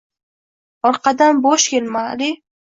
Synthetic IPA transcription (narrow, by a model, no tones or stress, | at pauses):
ɒɾqʰɑd̪anbɒʃjelmalɪ